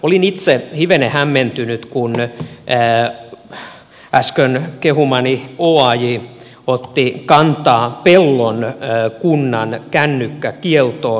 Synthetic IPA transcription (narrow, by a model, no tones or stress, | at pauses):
olinit̪sehiʋenehæmːent̪ynyt̪kunː | æskønkehumɑnioɑji | ot̪ːikɑnt̪ɑːpelːonːkunːɑnkænːykːækielt̪oː